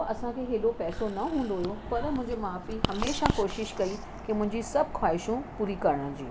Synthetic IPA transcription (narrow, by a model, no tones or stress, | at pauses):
ɐsãkʰeːɦeːɗopɛːsonɐɦũːnd̪oɦujopɐɾmʊ̃ɦɪ̃ɲd͡ʑemaːfiɦɐmeːʃakoːʃɪʃkɐi | kimʊ̃ɦɪ̃ɲd͡ʑisɐb̚ʱkʰwaːɪʃũpuːɾikɐɾəɽə̃ə̃d͡ʑḭː